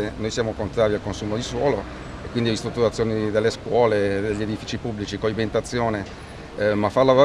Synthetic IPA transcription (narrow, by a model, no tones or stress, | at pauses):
enojsjaːmokont̪ɾaːɾialkonsuːmod̪iswɔːlo | ekwind̪ivist̪ɾut̪ːuɾat̪sːjoːnid̪elːeskwɔːled̪eʎːed̪ifiːt͡ʃipubːlit͡ʃikoibent̪at̪sːjoːne | mafarlavo